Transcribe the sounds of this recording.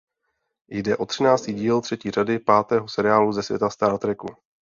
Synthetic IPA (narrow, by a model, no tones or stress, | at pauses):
jdɛʔo̞t̪r̝̥ɪnaːt͡st̪iːɟiːlt̪r̥ɛciːr̝adɪpaːt̪ɛːɦo̞sɛɾɪaːluzɛsvjɛ̰t̪ast̪aɾt̪ɾɛku